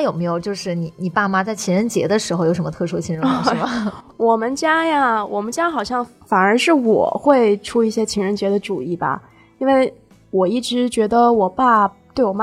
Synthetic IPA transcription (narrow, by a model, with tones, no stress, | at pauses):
jo˨˩ʊme˧˥ɪjo˨˩ʊt͡ɕjo˥˧ʊʂɻ̩˥˩ni˨˩˦ni˨˩pa˥˩ma˧t͡sa˥˩ɪt͡ɕʰi˧˥nɻə˧˥nt͡ɕjɛ̰˧˥d̪ə˧ʂɻ̩˧˥xo˧jʂə˧˦mə˧t̪ʰɤ˥˩ʂu˥t͡ɕʰi˥nɻ | wɔ˨˩mə˦nt͡ɕja˥ja˨wʔɔ̰˨˩mə˦nt͡ɕja˥xɑ˨˩ʊɕjɑ˥˩ŋfa˨˩nə˞˧˥ʂɻ̩˥˩wɔ̰˨˩xwe˥˩ɪʈ͡ʂʰu˥i˥˩ɕjɛ˥t͡ɕʰi˧˥ŋɻə˧˥nt͡ɕjɛ˧˥d̪ə˧ʈ͡ʂu˨˩i˥˩bɐ̰˩ | i˥nwe˥˩ɪ | wɔ˨˩i˥˩ʈ͡ʂɻ̩˧˥t͡ɕɥɛ˧˥d̪ə˧wɔ˨˩pa˥˩t̪we˥˩ɪwɔ˨˩ma˥